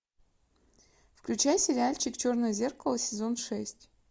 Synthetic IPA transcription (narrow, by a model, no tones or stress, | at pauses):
fklʲʉt͡ɕæjsʲɪɾʲɪalʲt͡ɕɪkt͡ɕo̞rnəjəzʲe̞rkəlˠəsʲɪzo̞nʂɛsʲtʲ